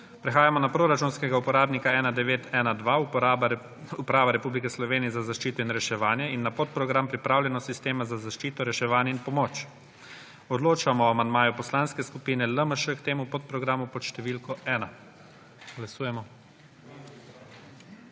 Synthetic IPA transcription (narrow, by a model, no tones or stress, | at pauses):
pɾɛxaːjamɔnapɾoːɾat͡ʃunskɛɡaupɔɾaːbnikaɛːnad̪ɛʋeːt̪ʰɛːnad̪ʋa | upɾaːʋaɾɛpublikɛslɔʋeːnijɛzazaʃt͡ʃiːt̪ɔinɾɛʃɛʋaːnjɛinːapot̪̚pɾɔɡɾampɾipɾaːwlʲjɛnɔsist̪eːmazazaʃt͡ʃiːt̪ɔɾɛʃɛʋaːnjɛinpɔmoːt͡ʃ | ɔd̪loːt͡ʃamɔamand̪maːjupɔslanskɛskupiːnɛləməʃəkt̪eːmupɔt̪̚pɾɔɡɾaːmupɔt̪ʃt̪ɛʋilkɔɛːna | ɡ̥lasuːjɛmɔ